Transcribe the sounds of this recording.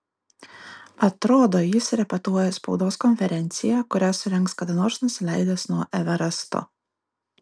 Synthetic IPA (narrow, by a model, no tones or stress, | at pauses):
ɐt̪ɾoːd̪oːjɪsɾʲɛpʲɛt̪uɔjɛspɒʊd̪oːskɔnʲfʲɛɾʲɛnʲˑt̪sʲɪjækʊɾʲæsʊɾʲɛŋˑkskɐd̪ɐnoːɾsnʊsʲɪlʲæˑɪd̪ʲeːsnuɔʔɛʋʲɛɾɐst̪o̰